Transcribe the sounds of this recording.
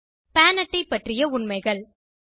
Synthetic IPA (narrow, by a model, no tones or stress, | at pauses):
paːnɐʈːɐɪpːɐʈrɪjɐʊɳmɐɪɣɐɭ